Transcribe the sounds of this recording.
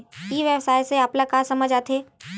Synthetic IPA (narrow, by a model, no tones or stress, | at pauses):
iːʋjəʋsaːjseaːplakaːsəməd͡ʒaːt̪ʰe